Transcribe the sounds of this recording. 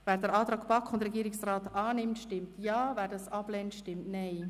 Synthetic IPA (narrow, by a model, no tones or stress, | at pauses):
vɛːɾdəɾɑːt̪ɾaːkb̥ɑkʰʊndɾɛɡiːɾɪksraːtɑːnɪmtʃtɪmtjaːvɛːɾdɑsɑb̥lɛntʃtɪmtnaɪ